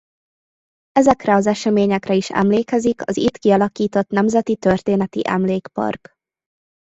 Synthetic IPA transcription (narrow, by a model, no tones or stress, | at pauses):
ɛzɛkrɛɒzɛʃɛmeːɲɛkrɛiʃɛ̰mleːkɛzikɒzit̪kiɒlɒkiːt̪o̞t̪nɛmzɛt̪it̪ørt̪eːnɛt̪ḭʔɛ̰mleːkpɒ̰rk